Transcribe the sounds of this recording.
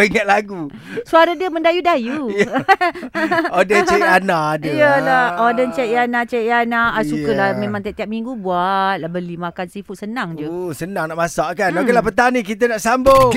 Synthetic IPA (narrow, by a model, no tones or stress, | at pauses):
əŋaʔ̪̚laɡu | suaɾadiəmə̃ndajudaju | odənt͡ʃɛanadəjəlaʔodənt͡ʃɛʔjanaʔt͡ʃɛʔanaʔasukəlahmẽmãŋt̪iaʔt̪iap̚miŋɡubuat̪̚lahbəlimãkansifuʔsənaŋd͡ʒusənãŋnaʔmasaʔkanokelahp̬ət̪aŋnĩkit̪̬ənaʔsambo